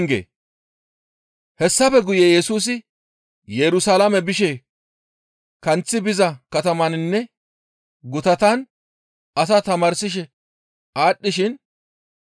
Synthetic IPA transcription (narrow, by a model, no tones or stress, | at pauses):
ŋɡḛː | hɛsːɐfɛɡʊjejɛsuːs̬ɪ | jɛɾʊsalamɛbɪʃɛ | kɐnt͡sːɪbɪzɐkɐt̪ɐmɐnnːɛ | ɡʊt̪ɐt̪ɐn | ɐs̬ɐt̪ɐmaːɾsɪʃɛ | aːɗːɪʃɪn